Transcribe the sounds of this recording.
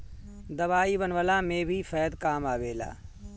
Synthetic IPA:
d̪əʋaːiːbənʋəlãːmẽbʱiːfʰɛːd̪kaːmaːʋeːla̰ː

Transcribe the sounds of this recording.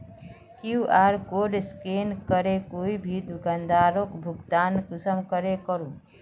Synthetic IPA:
kiuʔaɾkoɖskenkəɾekoibʱid̪ʱuɡənd̪ʱaːɾokbʱuɡt̪ankusəmkəɾekəɾũ

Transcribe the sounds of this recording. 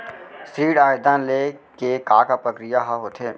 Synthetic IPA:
sɾiːɽaːɪd̪ãːnlekekaːkapɾəkɾɪjaɦaɦot̪ʰeː

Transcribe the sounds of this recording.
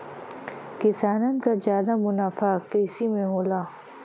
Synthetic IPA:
kɪsaːnənkazjaːd̪amʊnaːfakesimẽɦoːlaː

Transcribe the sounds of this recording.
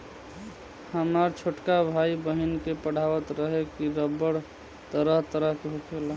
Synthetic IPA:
həmaɾt͡ʃʰoʈkabʱaibəɦinkepəɽ̤aʋət̪ɾəɦekiɾəbəɽ | t̪əɾəɦt̪əɾəɦkeɦokʰela

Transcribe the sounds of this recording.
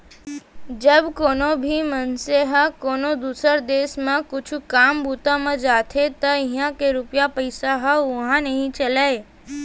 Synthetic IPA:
d͡ʒɐbkoːnobʱimənseɦəkoːnod̪uːsəɾd̪eːsmẽkʊt͡ʃʰkaːmbuːt̪amẽd͡ʒaːt̪ʰet̪ɐɪɦãkeɾʊpjapəɪsaɦəʊɦãnɐɦĩt͡ʃɐlae

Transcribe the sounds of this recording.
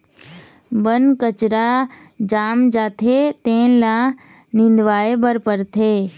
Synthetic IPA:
bənkət͡ʃɾa | d͡ʒaːmd͡ʒaːt̪ʰet̪ẽːnlãː | nɪ̃nd̪ʋaːebəɾpəɾt̪ʰeː

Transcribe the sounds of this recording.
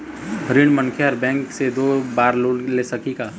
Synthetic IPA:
ɦɾiɳmənkʰeɐɾbɛ̃ːŋksed̪oːbaːɾloːleːsɐkiɡaː

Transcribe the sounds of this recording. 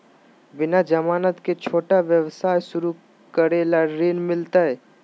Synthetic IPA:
bɪnad͡ʒəmaːnət̪ket͡ʃʰoːʈaʋjəʋsaːjsʊɾu | kəɾeːlaɾeːnmɪlt̪aɦɛː

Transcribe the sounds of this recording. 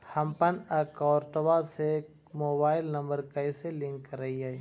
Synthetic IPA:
hɐmpɐnɐkɔːɾʈɐʋase | moːbaːɪlnɐmbəɾkɐiselɪ̃ŋkːəɾɐiai

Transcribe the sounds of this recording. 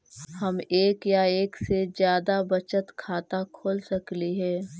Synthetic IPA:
hɐmeːkjaeːksed͡ʒjaːd̪abɐt͡ʃət̪kʰaːt̪akʰoːlsɐkliɦɛː

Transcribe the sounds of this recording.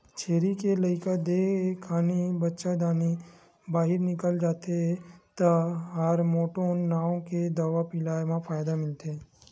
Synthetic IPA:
t͡ʃʰeːɾikeləɪkad̪ekʰaːnibətːʃad̪aːni | baːɦɪɾnɪkəld͡ʒaːt̪et̪aɦəɾmoːʈonːaːõked̪ɐʋapɪlaːjmãpʰaːjd̪amɪlt̪e

